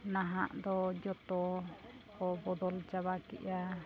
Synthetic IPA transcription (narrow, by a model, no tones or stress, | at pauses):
naɦaʔd̪ɔd͡ʒɔt̪ɔ | kɔbɔd̪ɔld͡ʒabakɛ̰ʔa